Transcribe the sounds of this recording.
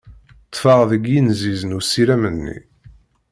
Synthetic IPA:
t̪ˤːfəʁðəɡjinzizənusːiɾæmənːḭ

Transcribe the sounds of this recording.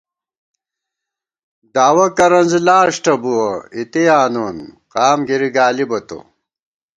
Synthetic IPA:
d̪aːwɐkɐɾɐnzlaːʂʈɐbuwɐit̪ijaːnoːnqaːmɡiɾiɡaːlibɐt̪o̰

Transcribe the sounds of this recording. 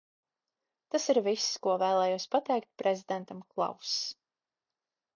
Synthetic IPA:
t̪asiɾvisːkuɔvæːlˠɛːjuɔspat̪ɛjkt̪̚pɾʔezʲid̪ɛnt̪amklˠa̰ws

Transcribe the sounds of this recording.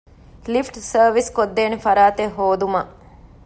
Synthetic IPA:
lifʈsɐɾʋiskod̪ːeːnifɐɾaːt̪eɦoːd̪umɐ

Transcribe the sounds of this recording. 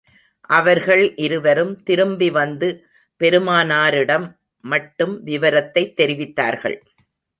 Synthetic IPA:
ʔɐʋɐɾɣɐɭʔɪɾɯʋɐɾɯmt̪ɪɾɯmbiʋɐnd̪ɯ | pɛɾɯmaːnaːɾɪɽɐmː | ɐʈːɯmʋɪʋɐɾɐt̪ːɐɪt̪ːɛɾɪʋɪt̪ːa̰ːɾɣɐ̰ɭ

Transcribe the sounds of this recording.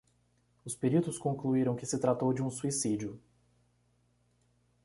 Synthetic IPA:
ʊspeɾit̪ʊskõŋkluiɾɐ̃w̃kɪsɪt̪ɾat̪owd͡ʒɪũsuisid͡ʒiʊ

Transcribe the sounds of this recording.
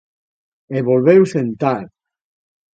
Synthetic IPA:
eβolβewsent̪aɾ

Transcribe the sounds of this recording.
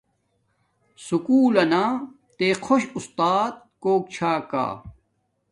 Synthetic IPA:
sukuːlɐnaː | t̪eqʰoɕust̪aːt̪̚ | koːk̚t͡ɕʰaːka̰ː

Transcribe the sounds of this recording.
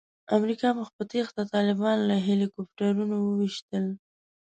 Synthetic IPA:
amɾikɑməxpət̪ext̪at̪ɑlɪbɑnlaɦelikopʈaɾunowəwiʃt̪əl

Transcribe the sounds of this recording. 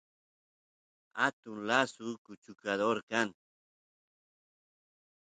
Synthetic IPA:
at̪ʊŋlasʊkʊt͡ʃʊkad̪oɾkaŋ

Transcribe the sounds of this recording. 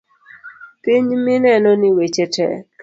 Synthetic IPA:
piɲmɪnɛnɔnɪwet͡ʃɛtɛ̰

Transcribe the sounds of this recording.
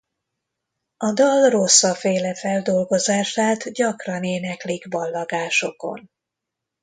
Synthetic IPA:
ɒd̪ɒlro̞sːɒfeːlɛfɛld̪o̞lɡo̞zaːʃaːt̪ɟɒkrɒneːnɛkliɡbɒlːɒɡaːʃo̞ko̰n

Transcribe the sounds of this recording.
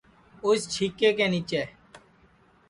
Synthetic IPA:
ost͡ʃʰiːkeːkẽːniːt͡ʃeː

